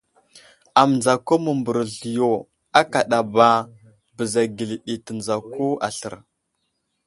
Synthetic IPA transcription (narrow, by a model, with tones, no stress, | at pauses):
a˨m˨nza˨ko˦mə˨mbə˨ɾɮi˨jo˨ | a˦ka˨ɗa˨ba˦ | bə˨za˨ɡi˨li˨ɗi˨tə˨nza˨ko˦a̰˨ɬə̰˨ɾ